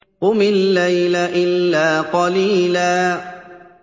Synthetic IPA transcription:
ʊmɪnlajlaʔɪlːaːqɑliːlaː

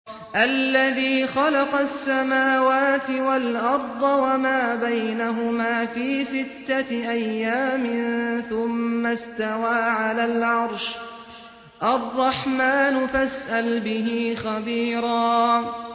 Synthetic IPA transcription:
ʔalːaðiːxɑlɑqɑsːamaːwaːt̪ɪwalʔɑɾˤd̪ˤɑwamaːbajnaɦʊmaːfiːsɪt̪ːaʔajːaːmɪnθʊmːast̪awaːʕalaːlʕɑɾˤʃ | ʔɑrˤːɑħmaːnʊfasʔalbɪɦiːxabiːɾɑː

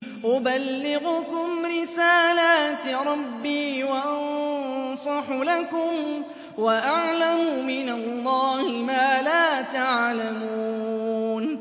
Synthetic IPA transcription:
ʔʊbalːɪɣʊkʊmɾɪsaːlaːt̪ɾˤɑbːiːwaʔɑnsˤɑħlakʊm | waʔaʕlamʊmɪnalˤːɑːhɪmaːlaːt̪aʕlamuuːn

